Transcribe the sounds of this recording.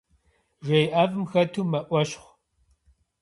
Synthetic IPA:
ʒʷejʔaːvɨmxɐtʰuːmɐʔʷɐɕχʷ

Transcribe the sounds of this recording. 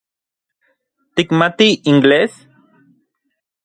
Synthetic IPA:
t̪ikmat̪iiŋɡles

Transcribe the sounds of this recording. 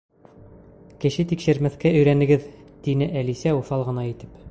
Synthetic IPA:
kɘ̆ɕɘt̪ikʃɘ̆ɾmæθkæɵ̆jɾænɘ̆ɡɘðt̪inɘʔælisæuθɑlˠʁɤ̆nɑit̪ɘ̥p

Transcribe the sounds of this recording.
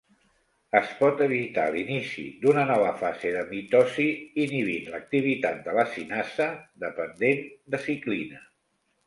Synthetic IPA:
əspɔt̪əβit̪a̰linisḭd̪unənɔβ̞əfazeðəmit̪ɔsiːniβinlək̚t̪iβ̞it̪at̪̚d̪ələsinasəðəpənd̪end̪əsiklinə

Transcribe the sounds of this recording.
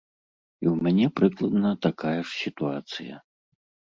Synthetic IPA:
iwmʲanʲɛpɾɨklˠɐd̪nɐt̪akajɛʂsʲit̪uat̪sɨjɐ̰

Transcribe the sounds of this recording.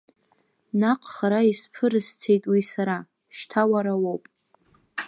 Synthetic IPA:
naqʰʼχaɾaispʰɨɾɨst͡sʰe̞jtʼwisaɾa | ʃtʰawaɾawowpʼ

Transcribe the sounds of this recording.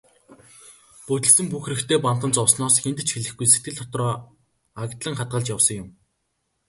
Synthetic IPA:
pɵt̪ʲɘ̆ɮsɘ̆mpuxrɘ̆kt̪ʰeːpan̥t̪ə̆nt͡sɔwsnɔːsxent̪ɘ̆t͡ɕxeɮɘ̆xɡujse̥t̪ɡɘɮt̪ʰɔt̪rɔː | akt̪ɮə̆ŋχat̪̚ɢə̆ɮt͡ɕjawsɞ̆ŋjʊm

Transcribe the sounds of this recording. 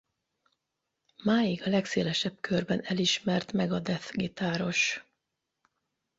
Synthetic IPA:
maːjiɡɒlɛkseːlɛʃɛbkʰørbɛnɛliʃmɛrt̪mɛɡɒd̪ɛt̪ɡit̪aːɾo̞ʃ

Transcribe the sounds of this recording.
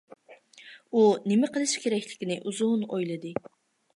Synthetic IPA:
unɪmɪqəlˠɨʃkʲʰeɾɛkʲlɪ̥kʲinɪʔuzunojlˠɨd̪ɨ

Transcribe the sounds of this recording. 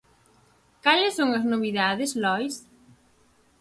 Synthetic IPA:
kalɪsːoŋɐznoβ̞iðaðɪslɔjs

